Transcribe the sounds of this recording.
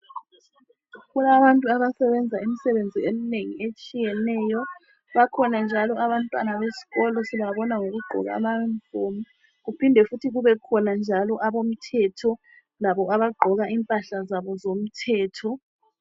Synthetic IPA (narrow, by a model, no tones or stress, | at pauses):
ɣulaβantʼuaβasɛβɛnd͡zʱaimisɛβend͡zʱiemineŋiet͡ʃʼijɛnɛːjɔ | βakʰɔnand͡ʒʱalɔaβantʼwanaβesi̥ɣɔlɔsiβaβɔnaŋoɣuɡ͡ǃʱɔ̰ɣa̰ːmaɱfomu | ɣupʰindʱɛfutʰiɣuβɛkʰɔnand͡ʒʱalɔʔaβom̩tʰɛtʰɔ | laβɔaβaɡ͡ǃʱɔɣaʔimpʼaɬazaβɔzom̩tʰɛːtʰɔ